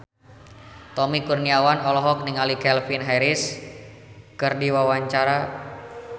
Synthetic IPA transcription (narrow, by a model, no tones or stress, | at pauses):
t̪ɔmikurniawanɔlɔɦɔk̚niŋalikɛlfinɦɛɾis | kɨrdiwawaɲt͡ʃaɾa